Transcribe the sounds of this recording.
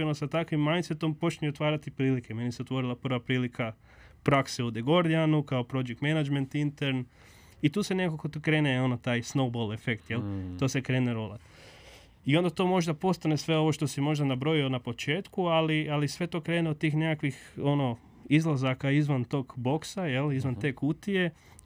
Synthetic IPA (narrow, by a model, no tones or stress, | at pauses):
enosat̪akʋimːajnset̪o̞mpo̞t͡ʃnueot̪ʋaːɾat̪ipɾiːlike̞me̞niseot̪ʋo̞ɾilˠapər̩ʋapɾiːlikʰa | pɾakseud̪eɡo̞ɾd̪ijanukaopɾo̞d͡ʒekt̪menad͡ʒment̪int̪eɾn | it̪uːsenekokot̪kɾe̞ːneo̞not̪aːjsnowbolˠefekt̪jelt̪osekɾe̞ːneɾola̰t̪ | io̞nd̪at̪o̞ːmo̞ʒd̪apo̞st̪anesʋe̞o̞ʋo̞ʃt̪osimo̞ʒd̪anabɾo̞ionapo̞t͡ʃe̞ːt̪kualialisʋe̞t̪o̞kɾe̞ːneod̪̚t̪iːxnekakʋixo̞no̞ | izlˠazakaizʋant̪o̞ːɡbo̞ksajelizʋant̪e̞ːkut̪ie̞